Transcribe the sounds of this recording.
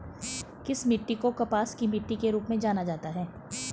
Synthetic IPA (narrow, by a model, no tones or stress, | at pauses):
kɪsmɪʈːikokɐpaːskimɪʈːikeɾuːpmẽd͡ʒaːnad͡ʒaːt̪aɦɛː